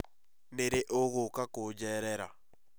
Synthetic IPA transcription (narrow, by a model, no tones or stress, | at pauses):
neɾeʔoɣokakod͡ʒɛɾɛɾa̰